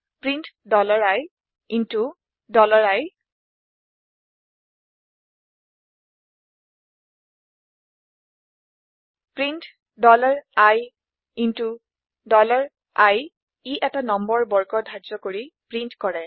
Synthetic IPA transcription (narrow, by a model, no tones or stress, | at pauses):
pɹintdɔlaɹaj | intu | dɔlaɹaj | pɹint | dɔlaɹaj | intu | dɔlaɹ | aj | iʔɛtanɔmbɔɹbɔɹkɔdʱazɔkoɹipɹintkɔɹɛ